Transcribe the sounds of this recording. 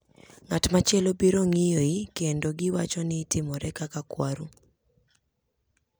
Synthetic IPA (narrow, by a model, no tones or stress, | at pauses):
ŋatmat͡ʃjɛlobiɾoŋɪjoikendoɡɪwat͡ʃɔnɪtɪmɔɾɛkakakwaɾu